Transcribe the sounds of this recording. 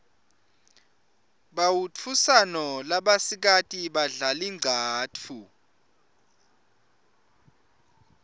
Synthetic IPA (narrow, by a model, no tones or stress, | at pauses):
ɓawut͡fʰusanɔlaɓasik̬atʼiɓaɮaliŋ͡ǀʱaːt͡fʰu